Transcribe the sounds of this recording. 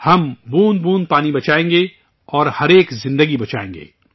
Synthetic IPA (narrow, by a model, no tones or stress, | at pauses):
hɐmbuːnbuːnpaːnibɐt͡ʃaːẽːŋɡe | ɔːɾhɐɾeːkzɪ̃nd̪əɡibɐt͡ʃa̰ːḛ̃ːŋɡḛː